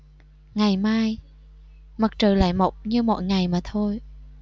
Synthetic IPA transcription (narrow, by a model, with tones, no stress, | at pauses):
ŋa˨˩jmaː˧j | mə˨˩k̚t͡ɕəː˨˩la̰ː˧˨jmo˨˩wk͡p̚ɲɨ˧mɔ̰˧˨jŋa˨˩jmaː˨˩t̪ʰo˧j